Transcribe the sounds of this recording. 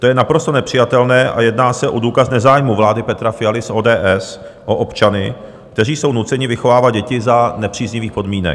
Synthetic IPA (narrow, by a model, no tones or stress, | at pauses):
t̪ojɛnapɾo̞st̪onɛpr̝̥ɪjat̪ɛlnɛːʔa̰jɛdnaːsɛʔo̞duːkasnɛzaːjmuvlaːdɪpɛt̪ɾafɪjalɪsʔoːdɛːʔɛs | ʔoʔopt͡ʃanɪ | kt̪ɛr̝iːso̞wnut͡sɛɲɪvɪxo̞vaːvad̪̚ɟɛcɪzanɛpr̝̥iːzɲɪviːxpo̞dmiːnɛ̰